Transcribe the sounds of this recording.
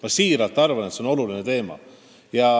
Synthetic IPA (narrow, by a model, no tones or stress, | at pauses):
mɑsiːɾɑlt̪ːˑɑrvɑnet̪seo̞no̞lulinet̪e̞ːmɑ̰ | jɑ